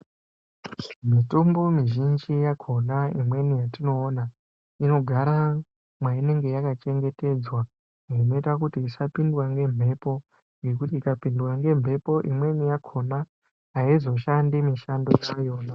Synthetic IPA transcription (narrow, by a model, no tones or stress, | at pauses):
mitumbomiʒind͡ʒijakʰo̞naimwe̞nijatino̞ːna | ino̞ɡʱaɾa | mwaine̞ŋɡe̞jakat͡ʃe̞ŋɡe̞te̞d͡zwa | ŋino̞itakutiːsapindwaŋɡe̞m̤ʱe̞po̞ | ŋɡe̞k̬utiːkapindwaŋɡe̞mbʱe̞po̞ʔimwe̞nijakʰona | ɦaizo̞ʃandimiʃandoajoːna